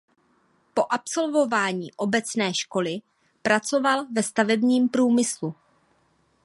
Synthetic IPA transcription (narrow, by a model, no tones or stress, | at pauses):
po̞ʔapso̞lvo̞vaːɲḭːʔo̞bɛt͡snɛːʃko̞lɪ | pɾat͡so̞valvɛst̪avɛbɲiːmpɾuːmɪslu